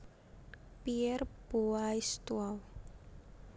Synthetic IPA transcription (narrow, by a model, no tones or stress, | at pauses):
piɛrb̥oaist̪uaw